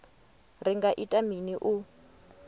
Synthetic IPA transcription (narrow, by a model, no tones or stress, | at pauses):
riŋɡaʔitʼaminiʔu